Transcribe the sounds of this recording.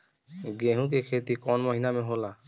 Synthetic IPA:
ɡeɦũk̬ekʰet̪ikɔnmɔɦinameɦola

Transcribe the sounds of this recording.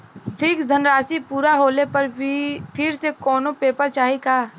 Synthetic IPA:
pʰiːkd̪ʱənɾaːsipuːɾaɦoːlepɐɾbʱipʰɪɾsekɔːnopeːpəɾt͡ʃaːɦikaː

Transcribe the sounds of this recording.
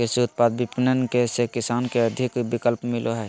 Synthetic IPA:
keseʊt̪̚pad̪̚bipɪnənkesekɪsaːnkeəd̪ʱɪkbikəlpmɪloɦɛ

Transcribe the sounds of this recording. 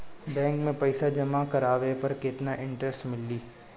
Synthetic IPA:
bɛ̃ːŋkmẽpɐɪsad͡ʒɐmakɐɾaːʋepɐɾkɪt̪naʔɪ̃ɳʈɾɛsʈmɪlːiː

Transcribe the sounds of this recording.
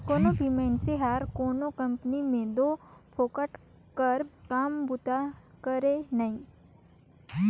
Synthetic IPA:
koːnobʱimeːnseɦaːɾkoːnokɐ̃mpnimẽd̪oːpʰoːkəʈ | kəɾkaːmbʊt̪akəɾenɐĩː

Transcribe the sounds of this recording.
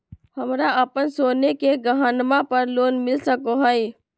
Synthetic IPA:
hɐmɾaʔɐpənsoːnekeɡɐɦanmapɐɾloːnmɪlsəkoɦəi

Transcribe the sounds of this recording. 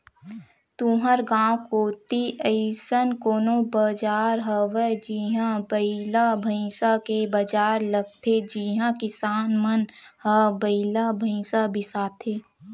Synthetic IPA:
t̪uːɦəɾɡãːwkoːt̪iʔəɪsənkoːnobəd͡ʒaːɾɦəʋəd͡ʒiɦãbəɪlabʱəĩsakebəd͡ʒaːɾləɡ̚t̪ʰed͡ʒiɦãkɪsaːnmənhəbəɪlabʱə̃ɪ̃sabʱɪsaːt̪ʰeː

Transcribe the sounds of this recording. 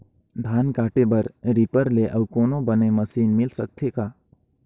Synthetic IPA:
d̪ʱaːnkaːʈebɐɾɾipəɾleʔɐbkoːnobɐnemɐsiːnmɪlsək̚t̪ʰekaː

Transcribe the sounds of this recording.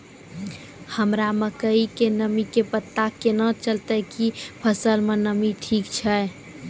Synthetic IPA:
həmɾaməkəikenəmikepət̪ːakːenət͡ʃəlt̪əkipʰəsəlmenəmiʈʰikt͡ʃʰə

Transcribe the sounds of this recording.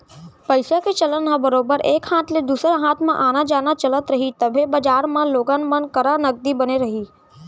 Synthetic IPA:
pɐɪsaket͡ʃɐlənɦãbəɾoːbəɾeːkhãːt̪ʰled̪uːsɾaɦaːt̪ʰmẽʔaːnad͡ʒaːnat͡ʃɐlət̪ɾɐɦit̪ɐbʱebɐd͡ʒaːɾmãloːɡənmənkəɾanɐɡ̚d̪ibɐneɾɐɦiː

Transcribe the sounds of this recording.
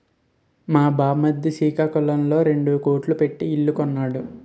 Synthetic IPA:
maːbaːmɐd̪ːiʃiːkaːkulɐmlo̞ːɾe̞ɳɖukoːʈlupe̞ʈːiːɭːukɔnːaːɽu

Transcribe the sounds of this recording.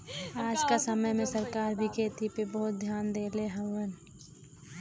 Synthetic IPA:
aːd͡ʒkasəməjmẽsəɾkaːɾbʱikʰeːt̪ipebɔɦʊt̪̚d̪ʱjaːnd̪eːleɦəən

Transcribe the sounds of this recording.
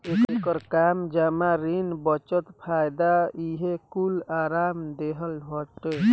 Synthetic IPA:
ekkəɾkamd͡ʒamaɾinbət͡ʃət̪pʰajd̪aiɦekulaɾamd̪eɦəlʱɔʈe

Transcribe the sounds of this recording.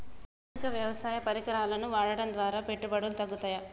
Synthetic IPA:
ikɐʋjɐʋɐsaːjɐpɐɾikɐɾaːlɐnuʋaːɽɐɽɐnd̪ʋaːɾaːpe̞ʈːubɐɽult̪ɐɡːut̪aːja

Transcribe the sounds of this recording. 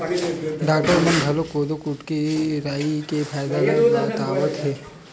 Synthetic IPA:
ɖaːk̚ʈəɾmənɡʱɐlokoːd̪okuʈkeɾaːikepʰaːjd̪aleat̪aːʋət̪ɦɛː

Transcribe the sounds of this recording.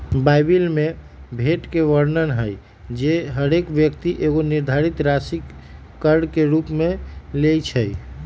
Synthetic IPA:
bajbilme | bʱeʈkeʋəɾnənɦəj | d͡ʒeɦəɾekbjək̚t̪iʔeɣoniɾd̪ʱaɾit̪ɾasikː | əɾɽkeɾupmelejt͡ʃʰəj

